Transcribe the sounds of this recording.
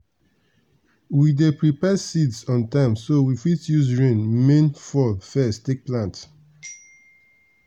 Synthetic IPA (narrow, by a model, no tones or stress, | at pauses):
widepɹipɛsidsɔ̃ntãɪ̃msowifitjuzɹẽnmẽnfɔlfɛsttek̚plãnt